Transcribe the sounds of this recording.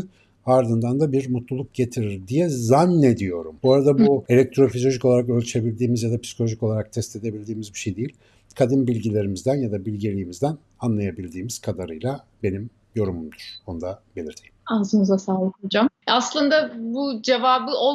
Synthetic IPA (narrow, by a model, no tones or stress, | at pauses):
aɾd̪ɯnd̪and̪abiɾmut̪lˠulˠuk̚ɟe̞t̪ʰiɾiɾd̪ijɛzanːe̞d̪ijo̞ɾumbuaɾad̪abue̞lʲɛk̚t̪ʰɾo̞fizo̞ʒiko̞lˠaɾakø̞lʲt͡ʃʰe̞bilʲd̪iːmizjad̪apsi̥kʰo̞lʲo̞ʒiko̞lˠaɾak̚t̪ʰɛst̪e̞d̪e̞bilʲd̪iːmizbiʃejd̪ejilʲ | kʰad̪inbilʲɟilʲe̞ɾimizd̪ænjad̪abilʲɟilʲiːmizd̪æn | anlˠajabilʲd̪iːmiz̥kʰad̪aɾɯjlˠa | be̞nim | jo̞ɾumumd̪uɾ̥o̞nud̪abelʲiɾt̪ʰijimazɯnɯzasaːlˠɯkʰod͡ʒamaslˠɯnd̪abud͡ʒevaːbɯʔo